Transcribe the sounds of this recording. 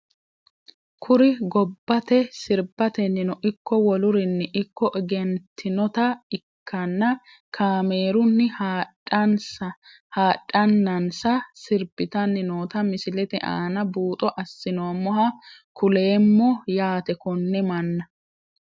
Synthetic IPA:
kʰʊɾɪɡɔb̥ːɐt̪ɛsɪɾbɐt̪ɛnːɪnɔʔɪkːɔwɔlʊɾɪnːɪʔɪkːɔʔɛɡɛnt̪ʰːɪnɔt̪ɐɪkʰːɐnːɐ | kʰaːmeːɾʊnːɪha | ɐnsɐ | haːᶑʼːɐnːɐnsɐsɪɾbɪt̪ɐnːɪnoːt̪ɐmɪsɪlɛt̪ɛʔa̰ːnɐbuːt̪ʼɔʔɐsːɪnomɔɦɐkʰʊle̞ːmːɔjaːt̪ɛkɔnːɛmɐnːɐ

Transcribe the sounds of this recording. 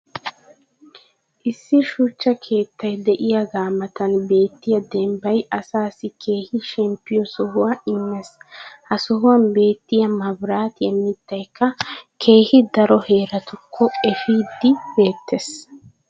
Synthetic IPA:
ʔɪsːɪʃut͡ʃːɐkʰe̞ːt̪ːɐjd̪ɛʔɪjɐɡaːmɐt̪ɐnbe̞ːt̪ːɪjɐd̪ɛmbɐjɐsaːsɪkʰe̞ːhɪʃɛmpːɪjɔsɔɦʊwɐʔɪmːɛshɐsɔɦʊwɐnbe̞ːt̪ːɪjɐmɐbɾaːt̪ɪjɛmːɪt̪ːɐjkːɐkʰe̞ːhɪd̪ɐɾɔhe̞ːɾɐt̪ʊkʰːɔɛfiːd̪ːɪbe̞ːt̪ʰːes

